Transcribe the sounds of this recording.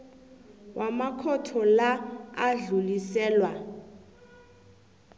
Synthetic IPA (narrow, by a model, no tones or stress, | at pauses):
wʔamakʰɔtʰɔlaːɮulisɛːlwa